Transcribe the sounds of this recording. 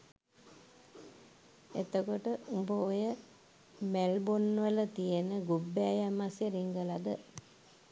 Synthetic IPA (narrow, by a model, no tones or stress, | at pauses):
et̪əkoʈəʔubəojə | mælbonːʋələt̪ijenəɡubːeajamasjeɾiŋɡəlad̪ə